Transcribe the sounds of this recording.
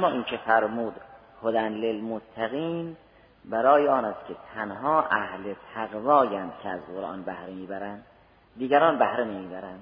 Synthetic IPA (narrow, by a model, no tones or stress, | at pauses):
mːɒːʔiːnkʰefæɾmuːd̪ | hod̪ænlelmot̪ʰːæɣiːn | bæɾɒːjeɒːnæst̪kʲʰet̪ʰænhɒːʔæhlet̪ʰæɣvɒːjænd̪̥cʰeæzɢoɾʔɑ̰ːnbæhɾemiːbæɾænd̪ː | iːɡæɾɒːnbæhɾenemiːbæɾænd̪̥